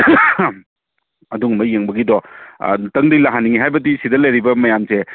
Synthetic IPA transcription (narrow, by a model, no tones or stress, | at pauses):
ɐduŋmɐjeŋbɐɡidɔ̰ | tɐŋdilaɦaniŋiɦajbɐdisidɐlɐjɾibɐmɐjamse